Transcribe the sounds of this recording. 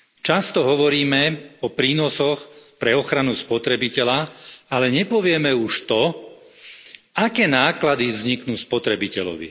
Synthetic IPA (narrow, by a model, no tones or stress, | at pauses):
t͡ʃast̪ɔɦɔʋɔɾiːmɛɔpɾiːnɔsɔxpɾɛɔxɾanuspɔt̪ɾɛbicɛʎaalɛɲɛpɔʋɪɛmɛuʃt̪ɔ | akɛːnaːklad̪ivzɲiknuːspɔt̪ɾɛbicɛʎɔ̰ʋḭ